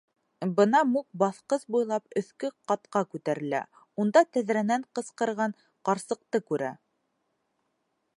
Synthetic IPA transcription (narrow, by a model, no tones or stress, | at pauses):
bɤnɑmuk̚bɑθqɤsbujlˠɑpɵ̆θkɵqɑt̪qɑkʉt̪æɾɘ̆læ̰ | und̪ɑt̪æðɾænæɴqɤ̆sqɤ̆ɾʁɑɴ | qɑɾsɤ̆q̚t̪ɤkʉɾæ